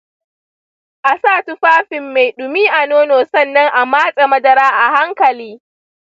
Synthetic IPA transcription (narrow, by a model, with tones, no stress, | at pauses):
ʔa˨saː˦˨tʊ˦ɸaː˦ɸɪ˨mːa˨jɗʊ˨mi˦ʔa˨noː˦noː˨sɐ˦˨nːɐ˦ŋʔa˨maː˦sʼe˨mɐ˦dɐ˨ɾaː˦ʔa˨ha˦ŋkɐ˨liː˦